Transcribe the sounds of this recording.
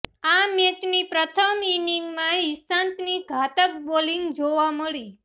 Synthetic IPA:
amet̪nipɾət̪ʰəminiŋɡmãisãnt̪niɡʱat̪əkboliŋɡd͡ʒoʋaməɭi

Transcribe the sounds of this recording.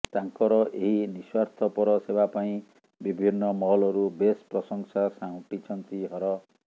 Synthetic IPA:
t̪aŋkɔɾɔʔeɦiniswaɾt̪ʰɔpɔɾɔsebapaĩ | bibʱinːɔmɔɦɔlɔɾubespɾɔsɔŋsasaw̃ʈit͡ʃʰɔnt̪iɦɔɾɔ

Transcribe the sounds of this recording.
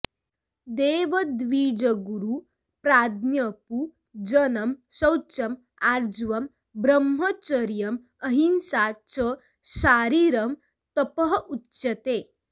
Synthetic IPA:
d̪eːʋɐd̪ʋiːd͡ʒɐɡuɾu | pɾaːd̪ʱnjɐpu | d͡ʒɐnɐmʃɐwt͡ʃɐm | aːɾd͡ʒʋɐm | bɾɐmɦɐt͡ʃɐɾjɐm | ɐɦinsaːt͡ʃə | ʃaːɾiːɾɐm | t̪ɐpɐɦʔutːʃɐt̪eː

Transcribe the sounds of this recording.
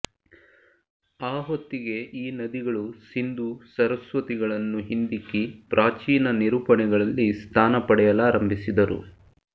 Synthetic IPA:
aːɦot̪ːiɡe̞ʔiːnɐd̪iɡɐɭusind̪usɐɾɐsʋɐt̪iɡɐɭɐnːuɦind̪ikːipɾʔaːt͡ʃiːnɐniɾuːpɐnɛɡɐɭɐlːist̪ʰaːnɐpɐɽɛjɐlaːɾɐmbʱisid̪ɐɾṵ

